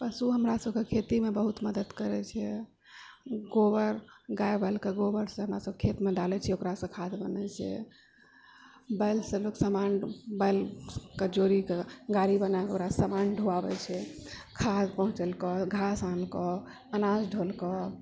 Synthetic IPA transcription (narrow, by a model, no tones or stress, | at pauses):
pəsuɦəmɾasəbkekʰet̪imebəɦut̪məd̪əd̪kəɾɛt͡ʃʰɛ | ɡobəɾɡaebəɪlkeɡobəɾsə̃ɦəmɾasəbkʰet̪med̪alɛt͡ʃʰɛokɾasə̃kʰad̪bənɛt͡ʃʰɛ̰ | bajlsə̃loksəmanbajlkəd͡ʒoɾikeɡaɾibənaokɾasəmanɖʱuabɛ̰t͡ʃʰɛkʰad̪pəɦũt͡ʃəlkɔɡʱasankɔ | ənasɖʱolkɔ